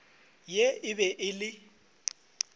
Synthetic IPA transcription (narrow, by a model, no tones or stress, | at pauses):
jeɪbɛʔɪlɪ